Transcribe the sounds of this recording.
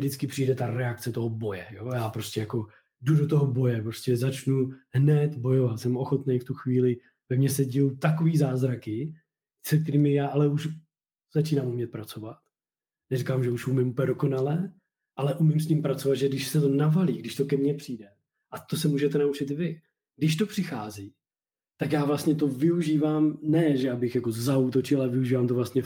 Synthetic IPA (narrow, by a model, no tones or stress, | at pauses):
dɪt͡skɪpr̝̥iːdɛt̪aɾɛakt͡sɛt̪o̞ɦobo̞jɛjojaːpɾo̞scɛjako̞ | dudot̪oɦobo̞jɛpɾo̞scɛzat͡ʃnuɦnɛt̪bo̞jo̞vat̪sɛmo̞xo̞t̪nejft̪uxviːlɪ | vɛmɲɛsɛɟɪjowt̪ako̞viːzaːzɾakɪ | sɛk̚t̪ɛɾiːmɪjaːʔalɛuʃ | z̥at͡ʃiːnamumɲɛt̪̚pɾat͡so̞vat̪ | nɛrikamʒɛuʃumɪmupɛdoko̞nalɛ | ʔalɛʔumɪms̬cimpɾat͡so̞vat̪ʒɛɡdɪʃsɛt̪o̞navaliːɡdɪʃt̪o̞kɛmɲɛpr̝̥iːdɛ | ʔat̪osɛmuːʒɛt̪ɛnaut͡ʃɪt̪vɪ | ɡdɪʃt̪o̞pr̝̥ɪxaːziː | t̪akjaːvlast̪ɲɛt̪̬o̞vɪuʒiːvaːmnɛʒɛjaːbɪxjako̞zaut̪ot͡ʃɪlalɛvɪuʒiːvaːmt̪ovlast̪ɲɛ